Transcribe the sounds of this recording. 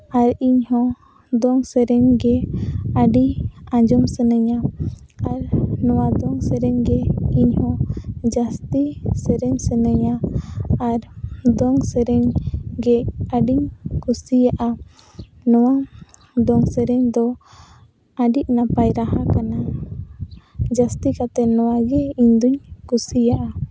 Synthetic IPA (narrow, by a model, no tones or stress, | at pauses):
aɾiɲhɔ̃ | d̪ɔŋsɛɾɛɲɡɛaɖiãd͡ʒɔmsənəɲaaɾnɔwad̪ɔŋsɛɾɛɲɡɛiɲhɔ̃d͡ʒast̪isɛɾɛɲsɛnəɲaː | ɾd̪ɔŋsɛɾɛɲɡɛaɖiɲkusijaʔa | nɔwa | d̪ɔŋsɛɾɛɲd̪ɔ | aɖiʔ̚napajɾaɦakana | d͡ʒast̪ikat̪ɛnɔwaɡɛiɲd̪uɲkusijaʔa